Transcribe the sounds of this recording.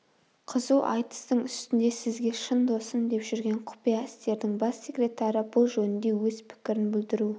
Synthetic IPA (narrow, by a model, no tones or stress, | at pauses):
qʰəzuʔɑjt̪ə̥st̪əɴʏst̪ɪnd̪e̞sɪzɡʲe̞ʃənd̪o̞sənd̪e̞pʒʏɾɡʲe̞ɴqʰʊ̥pijaɪst̪e̞ɾd̪ɪŋbɑsːe̞krʲe̞t̪ɑɾəbʊlˠʒɵnɪnd̪e̞wɵzpʰɪ̥kʲɪɾɪnbɪld̪ɪɾu